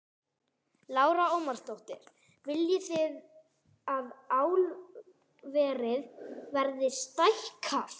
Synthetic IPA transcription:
laːwɾaoːwmarst̪owht̪ɪ̰ɾ̥ | vɪljʏθɪð | aðaːwl | vɛːɾɪðvɛɾðɪst̪ajhkʰaf

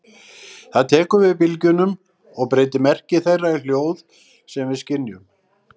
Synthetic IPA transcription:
θaðt̪ʰɛːkʏvɪðpɪlcʏnʏm | ɔɣpɾeːjt̪ɪmɛr̥cɪθejrːail̥joːwð | sɛmvɪðscɪnjʏm

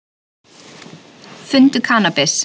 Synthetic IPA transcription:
fʏnt̪ʏkʰaːnapɪs

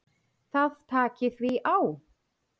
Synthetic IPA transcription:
θaðt̪ʰaːcɪθviʔaw

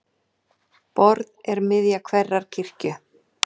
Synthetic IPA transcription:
pɔɾðɛɾmɪðjakʰvɛrːaɾ̥cʰir̥cʏ

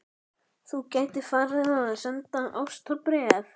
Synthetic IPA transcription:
θucaːjt̪ɪfarːɪθaðasɛnt̪aʔawst̪ʰɔpɾɛaθ

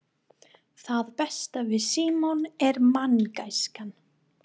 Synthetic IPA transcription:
θaðpɛst̪avɪðsiːmɔnɛɾmanːkajskan

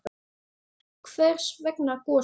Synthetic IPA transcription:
kʰvɛɾ̥svɛknakɔː

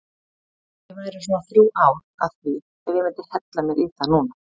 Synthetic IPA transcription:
ɛvanɛɾʏsɔnaθɾjuːwʔaːwɾ | a̰ðθvi | ɛɾɛɾmɛnt̪ɪɾ̥hɛt̪lamɪɾiθanuːna

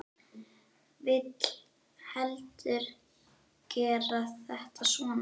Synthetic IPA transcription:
vɪt̪l̥ | hɛlt̪ʏɾ̥ | cɛːɾaθɛht̪asvɔːn

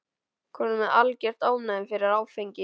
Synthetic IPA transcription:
kʰvɔɾnʏmɛðalcɛr̥t̪aːwnaðɪmfɪɾɪɾaɾaːwfejɲcɪ

